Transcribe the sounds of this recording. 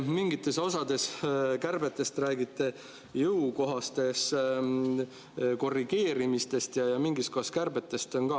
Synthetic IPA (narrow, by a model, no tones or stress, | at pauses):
miŋɡit̪ːˑe̞so̞sɑd̪̥e̞skærb̥et̪ːˑe̞st̪ræːɡit̪ːˑe̞ | jɯuwko̞ɦɑst̪e̞s | ko̞rːiɡ̥e̞ːɾimist̪e̞st̪jɑjɑmiŋɡisko̞hɑskærbet̪ːˑe̞st̪o̞nkɑː